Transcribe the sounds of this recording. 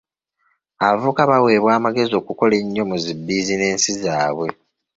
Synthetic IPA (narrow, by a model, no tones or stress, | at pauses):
aβavukaβawe̞ːβwaːmaɡe̞zio̞ːkuko̞le̞ɲːo̞muzibːiːzine̞ːnsizaːβwe̞